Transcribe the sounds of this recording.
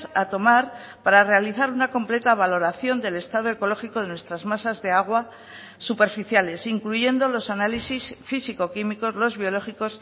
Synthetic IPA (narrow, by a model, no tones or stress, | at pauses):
sat̪o̞maɾ | paɾare̞aliθaɾunako̞mple̞t̪aβ̞alo̞ɾaθjo̞nd̪e̞le̞st̪að̞o̞e̞ko̞lo̞xiko̞ðe̞nwe̞st̪ɾazmasazðe̞aɣ̞wa | supe̞ɾfiθjale̞siŋkluʝe̞nd̪o̞lo̞sanalisisfisiko̞kimiko̞zlo̞zβjo̞lo̞xiko̞s